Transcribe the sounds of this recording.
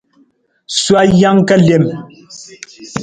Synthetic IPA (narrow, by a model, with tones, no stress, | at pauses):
swa˦ja˦ŋkɛ˦ljɛ˨m